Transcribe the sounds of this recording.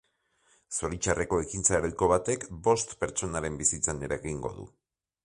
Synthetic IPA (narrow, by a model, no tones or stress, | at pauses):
soɾit͡ʃare̞ko̞e̞kint͡saeɾeko̞βat̪e̞kbo̞st̪pe̞ɾt͡ʃo̞naɾe̞mbisit͡sane̞ɾaeɣiŋɡo̞̰ðṵ